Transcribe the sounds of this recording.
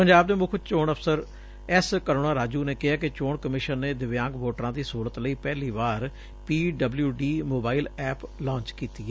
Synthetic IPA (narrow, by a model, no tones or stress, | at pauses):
pəɲd͡ʒaːbneːmʊkʰt͡ʃoːɳəpʰsəɾ | ɛskəɾoːɽaːɾaːd͡ʒuːneːkɪɦaːkɪt͡ʃoːɳkəmɪʃənːeːd̪ɪʋjãːŋɡʋoːʈɾãːd̪iːsoːlət̪ləiːpɛːliːʋaːɾ | piːɖəbljuːɖiːmoːbaːilɛːplãːɲt͡ʃkiːt̪iːɛː